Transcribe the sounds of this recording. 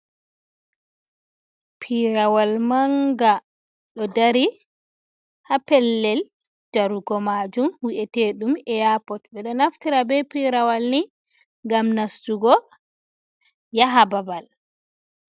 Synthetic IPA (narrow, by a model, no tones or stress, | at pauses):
pʰiɾawalmaŋɡa | ɗɔdaɾi | hapɛlːɛl | d͡ʒaɾuɡɔmad͡ʒumwiʔɛteɗumɛjapɔt̚bɛɗɔnaftiɾabɛpiɾawalni | ŋɡamnastuɡɔ | jaɦababal